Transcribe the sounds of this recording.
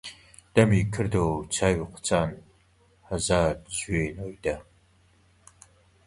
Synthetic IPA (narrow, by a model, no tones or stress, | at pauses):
d̥ɐmiːkʰɨrdowt͡sʰaːwiqʷə̥t͡sʰʼaːn | hɐzaːdzueːnoːjdɐ